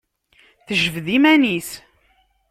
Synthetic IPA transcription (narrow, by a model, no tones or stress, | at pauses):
θəʒəvðimænis